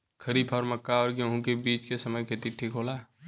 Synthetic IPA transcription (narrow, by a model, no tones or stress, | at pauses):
kʰəɾiːpʰɔːɾmɐkːaɔːɾɡə̃ɦũkebiːt͡ʃkesɐməjkʰet̪iʈʰːiːkɦoːlaː